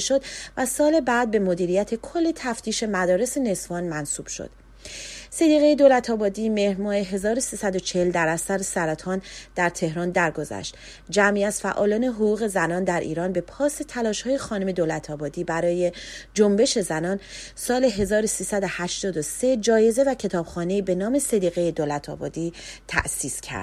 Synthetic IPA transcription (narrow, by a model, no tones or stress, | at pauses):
ʃo̞d̪væsɒːle̞bæːd̪̚be̞mod̪iːɾijæt̪ʰe̞kʰo̞lːet̪ʰæft̪ʰiːʃe̞mæd̪ɒːɾe̞sene̞sfɒːnmænsuːb̥ʃo̰d̪̥ | se̞d̪iːɣe̞jed̪oːlæt̪ʰɒːbɒːd̪iːme̞hmɒːneɦe̞zɒːɾosiːsæd̪o̞t͡ʃʰeheld̪æɾæsæɾesæɾæt̪ʰɒːnd̪̥æɾt̪ʰe̞hɾɒːnd̪æɾɡo̞zæ̰ʃt̪ | d͡ʒæmiæz̥fæ̰ʔɒ̰ːlɒːne̞ɦoʁuːɣe̞zænɒːnd̪æɾʔḭːɾɒːnbe̞pʰɒːse̞t̪ʰælɒːʃhɒːje̞xɒːnome̞d̪oːlæt̪ʰɒːbɒːd̪iːbæɾɒːje̞d͡ʒombe̞ʃe̞zænɒːn | sɒːle̞ɦe̞zɒːɾosiːsæd̪ohæʃt̪ɒːd̪ose̞d͡ʒɒːje̞ze̞væcʰe̞t̪ʰɒːb̥xɒːne̞iːbe̞nɒːme̞sed̪iːɣe̞jed̪olæt̪ʰɒ̰ːbɒ̰ːd̪iːt̪ʰæ̰ʔsiːscʰæ̰ɾd̪̥